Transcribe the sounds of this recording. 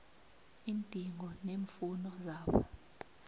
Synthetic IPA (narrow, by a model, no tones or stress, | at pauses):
iːntʼiŋɡɔneːɱfunɔzaːɓɔ̰